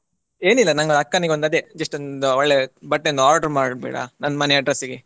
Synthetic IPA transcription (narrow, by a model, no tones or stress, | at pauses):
e̞ːnilːɐnɐŋɡoɐkːɐniɡeond̪ɐd̪ed͡ʒɐsʂʈond̪uɔɭːebɐʈːeond̪aːɾɖɐɾmaːɽbɛ̰ːɽa̰nɐnːmɐneɐɖɾesːiɡe